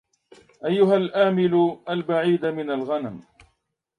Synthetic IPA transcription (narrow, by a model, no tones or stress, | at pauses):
ʔajːʊɦalʔaːmɪlʊʔalbaʕiːd̪amɪnalɣanam